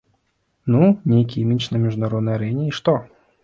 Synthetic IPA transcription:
nunʲejk̬ʲijmʲit͡ʃnɐmʲiʐunaɾɔd̪nɐjaɾɛnʲɪiʂt̪ɔ

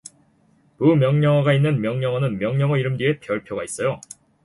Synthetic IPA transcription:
mumjʌŋɲʌŋwaɡainːɯnmjʌŋɲʌŋʌnɯnmjʌŋɲʌŋʌiɾɯmdɥie̞pjʌɭpʰjoɡais͈ʌjo

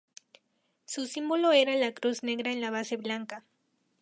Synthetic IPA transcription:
susimbolo̞eɾalakɾuzne̞ɣɾaenlaβ̞ase̞βlaŋka

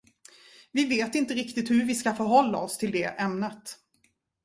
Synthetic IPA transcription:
vɪveːt̪ɪnt̪əɾɪkt̪ɪt̪hɵɾvɪskafœɾɦɔlːa̰ɔst̪ʰɪld̪ɛʔɛmnət̪

